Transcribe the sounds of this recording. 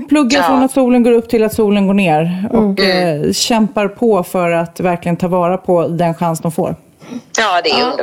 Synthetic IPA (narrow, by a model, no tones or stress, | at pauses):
pʰlɵɡːaɾfɾɔnat̪suːlənɡoːɾɵpːt̪ʰɪlat̪suːlənɡoːɳeːɾɔ̰kɕɛmpaɾpʰɔfœɾat̪væɾklɪɡənt̪ʰɑːvɑːɾapʰɔd̪ɛnɧansd̪ɔmfo̰ːɾ | dɛ